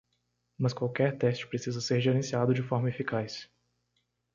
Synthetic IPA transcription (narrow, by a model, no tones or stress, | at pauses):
mɐskwawkɛɾt̪ɛst͡ʃɪ̥pɾesizɐseɾʒeɾẽsiad̪ʊd͡ʒɪfɔɾmɐefikajs